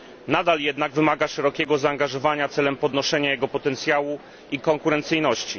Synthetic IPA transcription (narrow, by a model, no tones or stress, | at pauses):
nad̪aljɛd̪naɡvɘmaɡaʂɛɾɔkʲɛɡɔzaːŋɡaʐɔvaɲat̪sɛlɛmpɔd̪nɔʂɛɲajɛɡɔpɔt̪ɛnt̪sʲjawu | ikɔŋkuɾɛnt̪sɘjnɔɕt͡ɕi